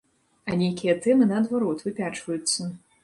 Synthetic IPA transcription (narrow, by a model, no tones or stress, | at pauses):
ɐnʲejkʲijɐt̪ɛmɨnɐːd̪vaɾɔt̪vɨpʲat͡ʂvɐjut̪sːɐ